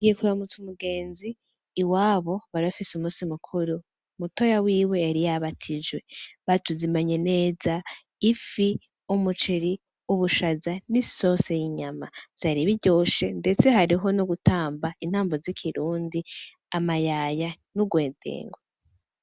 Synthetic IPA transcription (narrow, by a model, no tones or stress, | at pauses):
ɡijekuɾamut͡sumuɡe̞ːnziː | waːβo̞βaɾiβafisumuːsimukʰuɾu | muto̞jawiːwe̞aɾijaβatʰid͡ʒwe̞βatuzimaɲe̞ne̞ːza | ifi | umut͡ʃeɾi | uβuʃazaniso̞sejiɲamaz̥jaɾiβiɟo̞ːʃe̞nde̞t͡se̞ɦaɾiɦo̞noɡutaːmbain̥haːmbozikʰiɾuːndi | amajaja | nuɡwe̞ːdḛːŋɡwo